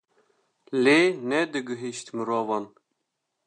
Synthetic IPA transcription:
leːnɛd̪ɨɡɨɦiʃt̪mɨɾoːvɑn

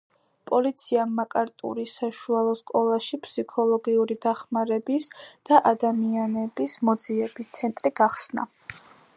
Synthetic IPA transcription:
pʼɔlit̪sʰiamːakʼaɾt̪ʼṵɾisaʃualˠɔskʼɔlˠaʃipʰsikʰɔlˠɔɡiuɾid̪aχmaɾɛbisd̪̥aʔad̪amianɛbismɔd̪ziɛbist̪sʰɛnt̪ʼɾiɡ̥aχsna̰

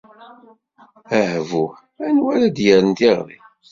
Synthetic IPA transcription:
æhvu | ænwæɾæd̪jəɾənt̪iʁɾˤḭ

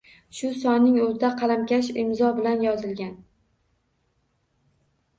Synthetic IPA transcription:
ʃʊsɒnnːɪŋɵzɪd̪aqʰɑlamkʲaʃɪmzɒbɪlanjɒzɪlɡʲan

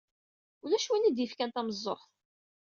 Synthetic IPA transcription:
ulæʃwinid̪jəfkænt̪æməzˤːo̰χθ

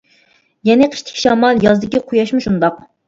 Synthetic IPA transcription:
jɛnɪqʰə̥ʃt̪ʰɪ̥kʲʃɑːmɑlˠjɑzd̪ɪkʲiqʰʊjɑʃmuʃund̪ɑq

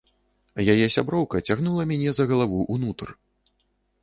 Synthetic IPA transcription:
jajɛsʲabɾɔwkɐt͡sʲaɣnulˠɐmʲanʲɛzɐɣɐlˠavuʔunut̪r

